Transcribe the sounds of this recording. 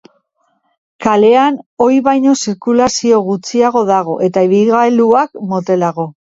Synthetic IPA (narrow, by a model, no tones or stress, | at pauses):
kale̞ano̞jβajɲo̞siɾkulasio̞ɣ̞ut͡siaɣ̞o̞ð̞aɣ̞o̞ʔe̞t̪aiβilɣaeluakmo̞t̪e̞laɣo̞